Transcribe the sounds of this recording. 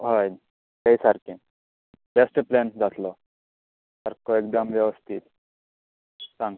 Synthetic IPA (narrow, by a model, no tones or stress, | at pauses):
ɦɔj | keisaɾkẽ | besʈplend͡zaslɔ | səɾkoek̚d̪əmʋjɛʋəst̪ʰit̪ | sãŋɡ